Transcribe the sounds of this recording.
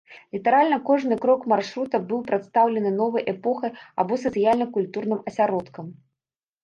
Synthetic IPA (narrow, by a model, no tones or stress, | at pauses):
lʲit̪ɛɾalʲnɐkɔʐnɨkɾɔkmarʂɾut̪ɐbɨwpɾat̪st̪awlʲɛnɨnɔvɨjʔɛpɔxɐjabɔsɐt̪sɨjalʲnɐkulʲt̪urnɨmɐsʲaɾɔt̪kɐm